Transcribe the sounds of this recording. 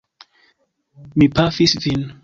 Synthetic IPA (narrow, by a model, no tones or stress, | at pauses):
mipafisðin